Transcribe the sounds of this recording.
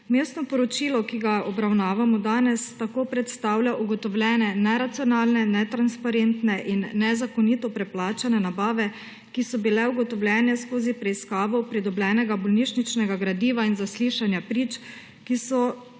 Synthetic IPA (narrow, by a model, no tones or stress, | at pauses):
meːst̪nɔpɔɾɔt͡ʃiːlɔkiɡaɔbɾawnaːʋamɔd̪aːnɛst̪akoːpɾɛt̪st̪aːwlʲjaʔuɡɔt̪ɔwlʲjɛːnɛnɛɾat̪siɔnaːlnɛnɛt̪ɾanspaɾent̪nɛʔinːɛzakɔniːt̪ɔpɾɛplaːt͡ʃanɛnabaːʋɛ | kisɔbilɛuɡɔt̪ɔwlʲjʲɛːnɛskoːzipɾɛiskaːʋɔpɾid̪ɔblʲɛːnɛɡabɔlniʃnit͡ʃnɛɡaɡɾad̪iːʋainzasliːʃanjapɾiːt͡ʃ | kisɔ